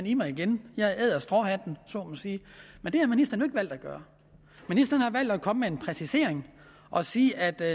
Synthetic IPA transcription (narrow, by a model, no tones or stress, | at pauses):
nimɑ̈ɪiɡ̥enjɑ̈ɪeð̞̰ˠɐsd̥ʁɒ̰hæd̥n̩sɔ̰mæsiːmend̥e̝hɑ̈minisd̥ɐnjoe̝ɡ̥ʋæl̰d̥æɡ̥ɶːɐ | minisd̥ɐn̩hɑ̈ʋæl̰d̥ækʰɒ̽məmeenpʰʁɛsise̝ɐ̰e̝ŋ | ʔɒ̽siːʔæd̥